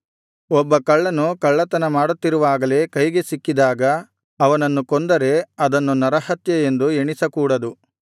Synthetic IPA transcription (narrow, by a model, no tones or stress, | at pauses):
ɔbːɐkɐɭːɐnːukɐɭːɐt̪ɐnɐmaːɽut̪ːiɾuʋaːɡɐle̞kɐjɡe̞sikːid̪aːɡɐ | ɐʋɐnɐnːukond̪ɐɾe̞ɐd̪ɐnːunɐɾɐhɐt̪jɐend̪ueɳisɐkuːɽɐd̪u